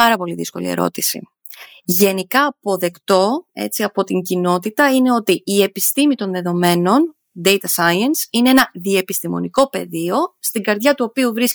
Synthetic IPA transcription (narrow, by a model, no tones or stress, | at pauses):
ɐɾɐpo̞liðisko̞̰lḭḛɾo̞̰t̪isḭ | ʝe̞nikɐːpo̞ðe̞kt̪o̞e̞̰t͡siɐpo̞t̪iɲɟino̞t̪it̪ɐine̞o̞t̪iːe̞pist̪imit̪o̞nðe̞ðo̞me̞no̞n | d̪e̞jt̪ɐsɐjɐnsine̞enɐðie̞pist̪imo̞̰niko̞pe̞̰ðio̞st̪iŋɡɐɾðʝɐt̪uo̞piuvɾis